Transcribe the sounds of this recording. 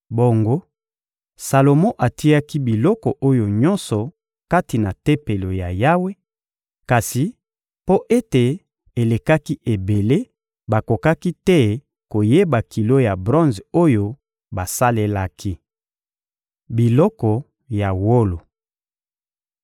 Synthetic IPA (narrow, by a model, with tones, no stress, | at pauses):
bo˨ŋɡo˦ | sa˨lo˨mɔ̃˦ʔa˨ti˦a˦ki˦bi˨lɔ˦kɔ˨ʔo˦jo˨ɲɔ̃˦nsɔ˨ | ka˦ti˨na˨te˦pe˨lo˨ja˨ja˦we˦ | ka˨si˨ | po˦ʔe˦te˨ | e˨le˨ka˦ki˦ʔe˨be˨le˦ | ba˨ko˨ka˦ki˦tɛ˦ | ko˨je˦ba˨ki˨lo˦ja˨bʁɔ̃˦nzo˦jo˦ | ba˨sa˦le˦la˦kʰi˦ | bi˨lɔ˦kɔ˨ | ja˨wo˦lo˨